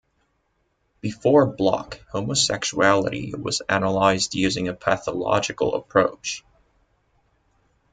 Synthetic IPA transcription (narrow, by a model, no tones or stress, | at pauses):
b̥ɨfɔɹblɑ̰khoʊməsɛkʃuælˠə̰ɾḭwʌ̰zænəlaɪzdjʉzɪ̃ŋɨpʰæθəlɑ̰d͡ʒɨkl̩ˠə̰pʰɹ̥oʊt͡ʃ